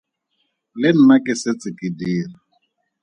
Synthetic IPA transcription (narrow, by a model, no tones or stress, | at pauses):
lɪn̩nakɪset͡sʼɪkʼidiːra